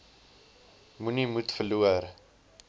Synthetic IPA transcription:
munimutfəluər

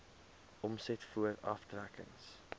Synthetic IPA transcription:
ʔɔmsɛtfuəɾɐ̰ftrækə̰ŋs

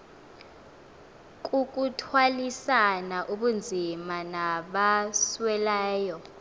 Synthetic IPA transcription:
k̬ʼuk̬ʼutʰwalisanaʔuɓund͡zʱimanaɓaswɛlɛːjɔ

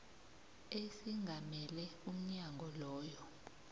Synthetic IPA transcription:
esiŋɡʱamɛlɛum̩ɲaŋɡʱɔlɔːjɔ

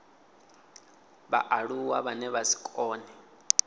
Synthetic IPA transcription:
βa̰ʔaɺuwaβanɛβasi̥kʼɔːnɛ

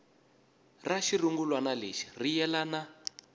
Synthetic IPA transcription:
raʃiruŋɡulwanaleʃi̥rijɛlana

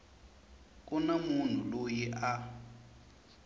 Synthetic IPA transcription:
k̬ʼunamun̤ulojiʔa

